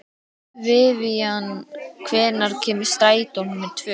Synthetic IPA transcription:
vɪviankʰvɛːnaɾ̥cʰɛːmɪ̥st̪aːjt̪ɔnmɛðt̪ʰvœː

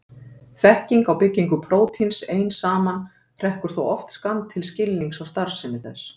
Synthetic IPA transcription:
θɛhciŋkawpɪcːiŋkʏpʰɾoːwt̪ʰinseːjnsaːman | r̥ɛhkʏɾ̥θowɔft̪skant̪ʰːɪlscɪlːniŋksawst̪aɾ̥sɪmɪθɛs

